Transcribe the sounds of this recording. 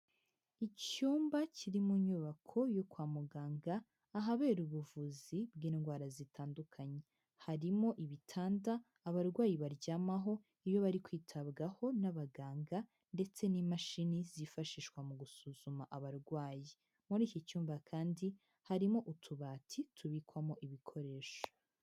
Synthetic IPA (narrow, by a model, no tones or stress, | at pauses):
icuːmbaciɾimuɲuβakʰo̞jokwaːmuɡaːŋɡaː | ɦaβe̞ːɾuβuvuzibɡiːnɡwaːɾazitʰaːndukʰaɲe̞ | haɾimo̞ʔiβitʰaːndaː | βaɾɡwaːjiβaɾɟaːmaɦo̞ | iβjo̞βaɾikwiːtʰabɡaho̞naβaɡaːŋɡa | nde̞t͡se̞nimaʃinizifaʃiːʃkwamuɡusuzumaʔaβaɾɡwaːji | muɾiːcicuːɱvakʰaːndi | haɾimoʔutʰuβaːtʰitʰuβikwamoʔiβikʰo̞ɾe̞ːʃo̥